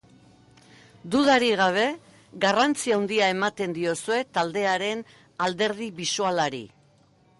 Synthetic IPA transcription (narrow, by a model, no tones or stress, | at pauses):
d̪uðaɾiɣ̞aβ̞e̞ | ɣarant͡siawnd̪iae̞mat̪e̞nd̪io̞sue̞t̪ald̪e̞aɾe̞n | ald̪e̞ɾð̞iβisualaɾḭ